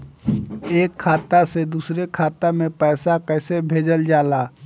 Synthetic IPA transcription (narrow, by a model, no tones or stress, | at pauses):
eːkʰːaːt̪ased̪uːsɾekʰaːt̪amẽpɛːsakɛɪsebʱeːd͡ʒəld͡ʒaːlaː